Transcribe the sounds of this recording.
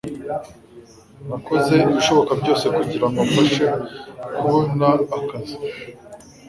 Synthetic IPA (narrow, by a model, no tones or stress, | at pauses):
ɾako̞ze̞iβiʃo̞βo̞kabɟo̞ːsekuɟiɾaŋɡoafaʃe̞kuβonaːkazi̥